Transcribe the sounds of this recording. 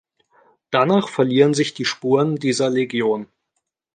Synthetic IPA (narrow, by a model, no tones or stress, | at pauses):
d̥anaːχfɛɐliːʁənzɪçd̥iːʃpuːʁəndiːzɐleɡjoːn